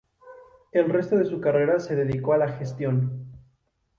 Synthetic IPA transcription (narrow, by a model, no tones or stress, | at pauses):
e̞lre̞st̪o̞ðe̞sukare̞ɾase̞ðe̞ðiko̞alaxe̞st̪jo̞n